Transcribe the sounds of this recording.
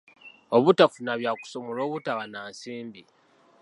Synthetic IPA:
oβutafunaβjaːku̥so̞molo̞ːβutaβanaːnsiːmbi

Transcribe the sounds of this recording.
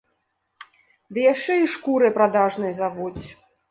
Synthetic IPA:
d̪ɨjaʂt͡ʂɛiʂkuɾɨpɾad̪aʐnɨjzavut͡sʲ

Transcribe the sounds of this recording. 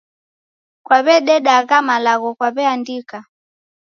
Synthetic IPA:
kwaβɛɗɛɗaɣamalaɣɔkwaβɛandika

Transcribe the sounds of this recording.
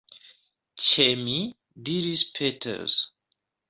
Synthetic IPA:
t͡ʃemi | diɾispʰetʰə̰ɹz̥

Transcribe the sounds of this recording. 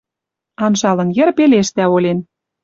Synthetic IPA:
ɑnʒɑlɤ̆njɘ̆rpeleʃt̪æolʲen

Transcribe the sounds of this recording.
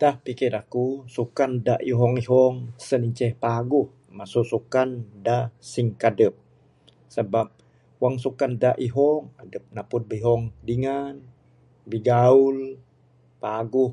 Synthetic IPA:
dahpikɛdakusukandaʔiɦɔŋiɦɔŋsəniɲt͡ʃɛhpaɡuh | masusukandasiŋkadəp̚ | səbap̚ | waŋsukandaʔiɦɔŋadəp̚napʊt̚bəɦɔŋdiŋan | biɡaul | paɡuh

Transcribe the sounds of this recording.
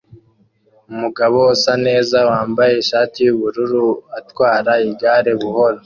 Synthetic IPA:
umuɡaβo̞osane̞ːzawaːmbaje̞iʃaːtijuβuɾuɾuatwaːɾaibɟaːɾeβuho̞ɾo

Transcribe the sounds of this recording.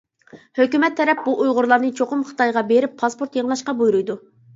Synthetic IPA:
høkʲymɛt̪ʰːɛɾɛp̚buʔujʁʊɾlˠɑɾnɨt͡ʃʰoqʊmχə̥t̪ɑjʁɑbeɾɪpʰːɑspoɾt̪jeʁlˠɑʃqɑbujɾujd̪u

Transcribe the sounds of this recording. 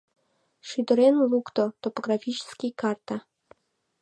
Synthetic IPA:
ʃyd̪ə̆ɾenlukt̪ot̪opoɡrafʲit͡ɕskʲijkɑrt̪a

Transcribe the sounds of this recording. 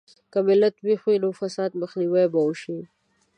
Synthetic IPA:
kamɪlat̪wixwinofasɑːd̪̚məxniwabauʃi

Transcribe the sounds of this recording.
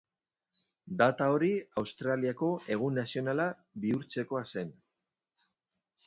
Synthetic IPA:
d̪at̪ao̞ɾiawst̪ɾaliako̞e̞ɣ̞unasio̞nalabiuɾt͡se̞ko̞ase̞n

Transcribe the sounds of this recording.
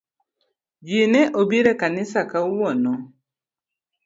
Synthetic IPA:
d͡ʒinɛʔobiɾɛkanisakauwɔnɔ

